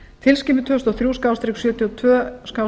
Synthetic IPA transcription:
t̪ʰɪlscɪːpɪt̪ʰvœst̪ɔθɾuːskawst̪ɾɪksjœːt̪jɔt̪ʰvœːskaw

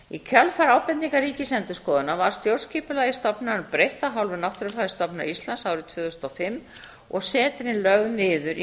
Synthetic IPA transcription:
icʰœlfaɾaːwpɛniŋkaɾriːcɪsɛnt̪ʏskɔːðʏnavaɾ̥st̪jowɾr̥sciːpʏlaːjɪst̪ɔpnanʏpɾejht̪aɦawlvɪnaht̪ɾʏfaðɪst̪ɔpna̰ist̪lansaːwɾɪðt̪ʰvʏːθʏsnɔfɪmː | ɔ̰ɣsɛːt̪ɪɾɪnlœɣnɪːðʏɾ

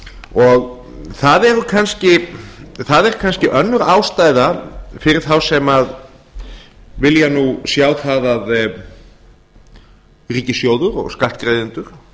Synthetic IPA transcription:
ɔɣ | θaðɛɾʏkʰanscɪθaðɛɾ̥kʰanscɪʔœnːʏɾaːwst̪aːjðafɪɾɪɾ̥θawsɛmað | vɪljanusjaːwθaðað | riːcɪsjoːwðʏɾɔ̰ɣskalt̪̚kɾejðɪnt̪ʏɾ̥

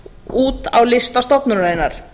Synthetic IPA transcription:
uːt̪a̰wlɪst̪ast̪ɔpnʏɾɾaːjnaɾ̥

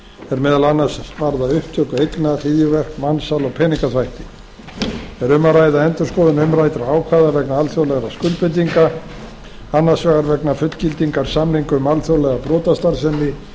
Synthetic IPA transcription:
ɛɾmɛːðalanːasvaɾðaʏhp̚t̪ʰœkʏejknar̥iːjɪvɛr̥kmansalɔɣpʰɛːniŋkaθvajht̪ɪ | ɛɾʏmːaraːjðaɛnt̪ʏɾ̥skɔːðɪnʏmɾajt̪ɾaaːwkʰvaðavɛknaalθjowlɛɣaskʏlpɪnt̪̬iŋka | anːasvɛːɣaɾvɛknafʏt̪l̥cɪlt̪iŋkaɾ̥samliŋkʏʏmalθjowlɛɣapɾɔːt̪ast̪aɾsɛnːɪ

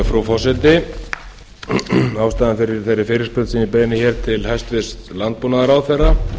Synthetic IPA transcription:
fɾufɔsɛt̪ɪ | aːwst̪aːðanfɪɾɪɾ̥θejɾːɪfɪːɾɪɾ̥spʏt̪sinɪpeːjɪnɪçɛɾ̥t̪ʰɪlhajst̪vɪst̪lant̪̚puːnaðaɾaːwθɛrːa

